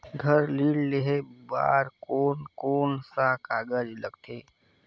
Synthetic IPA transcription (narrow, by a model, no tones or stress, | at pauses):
ɡʱəɾliːɽleɦeba̰ːɾkoːnkoːnsakaːɡəd͡ʒləɡt̪ʰeː